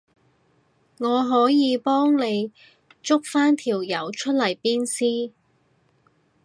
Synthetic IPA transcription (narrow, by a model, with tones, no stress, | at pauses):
ŋɔː˨˧ɦɔː˨˥jiː˨˧pɔː˥ŋne˨˧j | t͡sʊ˥k̚faː˥nt̪ʰiː˨˩wjɐ˨˥wt͡ʃʰɵ˥t̚lɐ˨˩jpiː˥nsiː˥